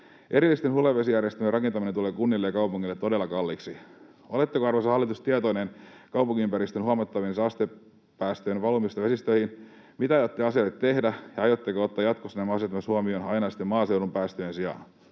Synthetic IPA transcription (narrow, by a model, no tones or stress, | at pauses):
ʔe̞ɾilːist̪enhuleʋːesijærjest̪ømerɑkent̪ɑminenuleːkunːilːejɑkɑupuŋːilːet̪ːodelːɑkɑlːiksi | olet̪ːekoɑrʋosɑhɑlːit̪ust̪iet̪ojnen | kɑupuŋkiympæɾist̪enhuɑmɑt̪ːɑʋinsɑːst̪e | pːæːst̪øjenʋɑlumist̪ɑʋe̞sist̪øihin | mit̪æɑjot̪ːeɑsiɑlet̪t̪ːe̞hdæjɑɑjot̪ːekoot̪ːɑːjɑt̪kosːenemɑset̪ːɑmɑshuɑmionɑjnɑsi̥t̪ːemɑːsewɾumpæːst̪øjensiɑ̰n